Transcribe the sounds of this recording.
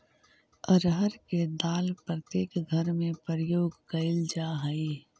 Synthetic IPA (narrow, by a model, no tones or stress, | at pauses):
əɾɦəɾked̪aːlpɾət̪eːkɡʱəɾmẽpəɾəjoːɡkɐɪld͡ʒaɦɐi